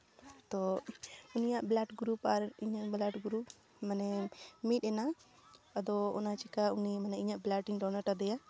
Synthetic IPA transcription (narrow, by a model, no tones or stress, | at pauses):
t̪ɔ | unijaʔblaʈɡɾupaɾiɲaʔblaʈɡɾup̚ | manɛmit̪̚ˀɛnaad̪ɔɔ̰nat͡ʃikaunimanɛiɲaʔblaʈiŋɖɔnaɾʈad̪ɛja